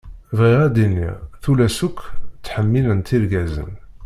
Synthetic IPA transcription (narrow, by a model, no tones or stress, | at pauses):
vʁiʁæd̪inːḭθulæsukʷːt͡sːħəmːilənt̪iɾɡæzə̰n